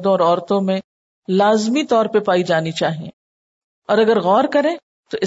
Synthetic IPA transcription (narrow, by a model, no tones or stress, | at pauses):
d̪õɔːɾɔːɾt̪õmẽ | laːzmit̪ɔːɾpepaːid͡ʒaːnit͡ʃaːɦiḛ̃ | ɔːɾɐɡəɾɣɔːɾkɐɾẽː | t̪oʔɪ